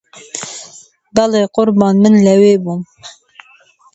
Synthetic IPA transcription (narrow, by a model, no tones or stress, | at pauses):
bɛleːqʊɾbɑːnmɨnlɛweːbum